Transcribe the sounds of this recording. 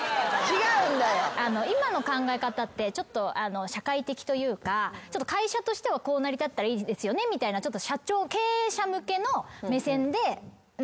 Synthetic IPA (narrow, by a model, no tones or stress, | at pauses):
t͡ɕiɡaɯ̟̃nd̪ajoano̞imano̞kãŋɡae̞kat̪at̪ːe̞t͡ɕo̞t̪ːo̞ʔano̞ɕakait̪e̞kʲi̥t̪o̞jɯ̟ːkat͡ɕot̪ːokaiɕat̪o̞ɕi̥t̪e̞βako̞ːnaɾʲit̪at̪ːaɾaiːd̪e̞sɨjo̞ne̞mʲit̪ainat͡ɕo̞t̪ːo̞ɕat͡ɕo̞ːke̞ːɕamɯ̟ke̞no̞me̞sẽ̞nd̪e̞